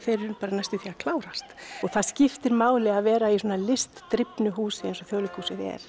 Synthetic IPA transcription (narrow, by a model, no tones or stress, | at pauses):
θejɾʏpaːɾanajst̪ʏθiakʰlaːwɾast̪ɔɣθaðscɪft̪ɪɾmaːwlɪaðvɛːɾaisɔːnalɪst̪ːɾɪpnʏɦuːsɪɛnsɔθjoːwlɪkhuːsɪðɛ̰ɾ̥